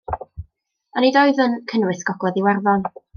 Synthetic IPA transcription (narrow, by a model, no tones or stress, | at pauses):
ənidɔɨðənkʰənwɨsɡ̥ɔɡlˠɛðiwɛrðɔn